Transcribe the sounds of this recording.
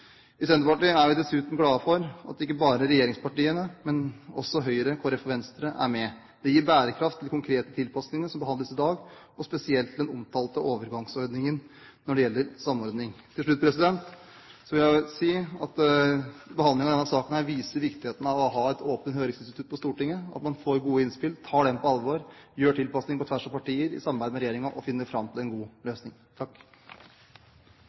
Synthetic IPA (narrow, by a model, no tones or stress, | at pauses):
ɪsɛnəpɑʈiːæɾʋɪd̪ɛsʉːt̪ʊmɡlɑːfɔɾɑ̰t̪ɪkːəbɑːɾəɾɛjeːɾɪŋspʰɑʈiːənəmɛnɔ̰sːɔɦœʏɾəkʰɔɾɛfɔʋɛnst̪ɾəʔæ̰ɾmɛ | d̪̥ɛjiːɾbæːɾəkʰɾɑft̪ʰːɪlkʰʊŋkʰɾeːt̪ət̪ʰɪlpʰɑsnɪŋəsɔmbəhɑnd̪əsɪd̪ɑːɡ | ɔspɛsɪɛlt̪ʰːɪld̪ɛnʊmt̪ʰɑːlt̪əʔoːʋəɾɡɑŋsɔɾd̪nɪŋən | nɔɖɛjɛlːəɾsɑmːɔɾd̪nɪŋt̪ʰɪlʂɭʉt̪̚ːpʰɾɛsɪd̪ɛnt̪ | sɔʋɪljæsiːɑt̪ | bəhɑnd̪ɪŋɑʋd̪ɛnɑsɑːkən̩hæɾʋiːsəɾʋɪkt̪ɪheːt̪ən̩ɑʋɔɦɑːɛt̪ʰoːpənhøːɾɪŋsɪnst̪ɪt̪ʰʉt̪̚ːpʰɔst̪uːʈɪŋːəɑ̰t̪mɑnfoːɾɡuːəɪnspɪlt̪ʰɑːɖɛmpʰɔɑlʋɑɾjøːʈʰɪlpɑsnɪŋpʰɔt̪ʰʋæʂɑʋpɑʈiːəɾɪ̰sɑmːɑmbæɪd̪əmɛɾɛjeːɾɪŋɑʔɔfɪnːəfɾɑmt̪ʰɪlɛnɡuːløːsnɪŋt̪ʰɑkː